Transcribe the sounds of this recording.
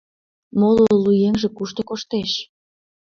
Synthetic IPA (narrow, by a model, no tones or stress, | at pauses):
moloolujemʒĕkuʃt̪okoʃt̪eʃ